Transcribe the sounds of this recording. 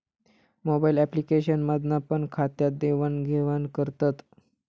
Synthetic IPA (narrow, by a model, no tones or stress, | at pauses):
mobailɛplikeɕənmad̪ʱnapəɳkʰat̪jad̪eʋanɡʱeʋankəɾt̪at̪